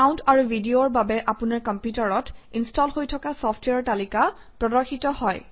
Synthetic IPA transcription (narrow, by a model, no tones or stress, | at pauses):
kaʊntʰaɹubʱidioɹbabɛʔapʊnaɹkɔmpjutaɹɔtinstɔlhojtʰɔkasɔpʰtwɛaɹtalika | pɹɔdɔɹxitɔhɔj